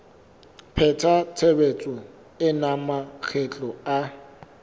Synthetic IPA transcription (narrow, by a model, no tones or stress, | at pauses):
pʰɛtʰatʰebet͡sʼʊ | ɪnamak͡xʰɛt͡ɬʼɔa